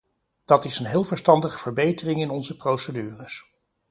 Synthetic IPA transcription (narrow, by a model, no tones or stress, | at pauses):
d̥ɑtɪsənɦɪːlˠvəɹstɑndəχəv̥əɹbejtərɪŋɪnɔnzəprowsədyːrəs